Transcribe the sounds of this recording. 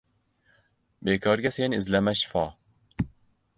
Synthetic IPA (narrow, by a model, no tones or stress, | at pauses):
bekʰɒɾɡʲase̞nɪɪzlamaʃɪ̥fɒ